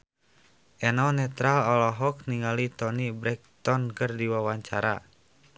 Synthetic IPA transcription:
ʔɛnɔnɛt̪ɾalɔlɔɦɔk̚niŋalit̪ɔnibɾɛk̚t̪ɔnkɨrdiwawaɲt͡ʃaɾa̰

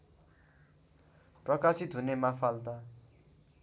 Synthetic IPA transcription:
prʌkasit̪ɦunemapʰald̪a

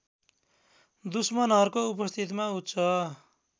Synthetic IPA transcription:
d̪usmʌnʌrkoupʌst̪ʰit̪̬maut̪t͡sʰʌ

